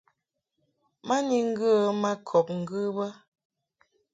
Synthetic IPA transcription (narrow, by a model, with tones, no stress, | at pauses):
ma˦ni˨ŋ̩˦ɡə˦˨ma˦kʰɔ˨p̚ŋ̩˨ɡɨ˦bə˦